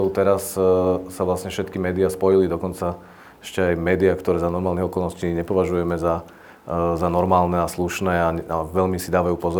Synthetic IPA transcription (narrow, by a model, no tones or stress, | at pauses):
ɔʊt̪ɛɾassaʋlasɲɛfʃɛt̪kimɛːd̪iaspɔjilid̪ɔkɔnt͡sa | ɛ̥ʃcɛajmɛːd̪iakt̪ɔɾɛːzanɔɾmaːlniɦɔkɔlˠnɔsciːɲɛpɔʋaʒujɛmɛza | zanɔɾmaːlnɛasluʃnɛːaaʋɛlmisid̪aːʋajuːpɔzɔ